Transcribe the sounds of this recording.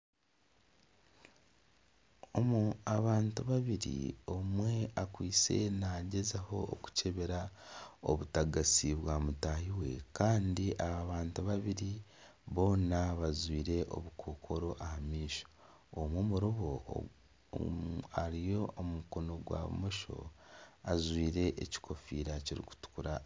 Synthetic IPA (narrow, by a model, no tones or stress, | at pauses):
omuaβaːntuβaβiɾḭo̞mwe̞akwiːt͡se̞̰naɟe̞zaho̞̰ːku̥ce̞βe̞ɾao̞̰βutaɡasiβwaːmutaɦiwe̞̰kaːndiʔaβaβaːntuβaβiɾiβo̞ːnaβazwiːɾe̞ʔo̞̰βukʰoːkʰo̞ɾo̞ʔahamiːʃo̥ | omwomuɾoβo̞ | aɾijo̞omumuko̞no̞ɡwa̰ːmoʃo̞̰azwiːɾe̞ʔeci̥kʰo̞fiːɾaciɾḭku̥tu̥kuɾa